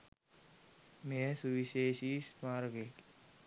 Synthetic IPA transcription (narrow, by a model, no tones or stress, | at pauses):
mesuʋiʃeːʃismaːɾɡeʈ